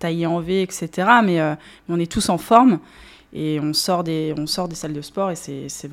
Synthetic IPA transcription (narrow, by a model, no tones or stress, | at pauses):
t̪ajɑ̃veɛkset̪eʁamɛø | mɛɔ̃nɛt̪usɑ̃fɔʁm | eɔ̃sɔʁd̪eɔ̃sɔʁd̪esald̪əspɔʁesɛsɛv